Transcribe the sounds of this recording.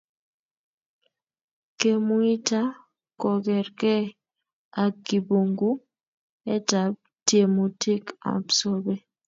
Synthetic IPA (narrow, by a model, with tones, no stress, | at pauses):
ke˦˨mu˦i˦ta˦ | kɔ˨kɛ˨ɾkɛ˦ | a˨ki˨bo˨ŋɡu˦ | ɛ˦ta˨˦b̚ | tje˨mu˨tʰi˦ka̰˨bsɔ˦bɛ˦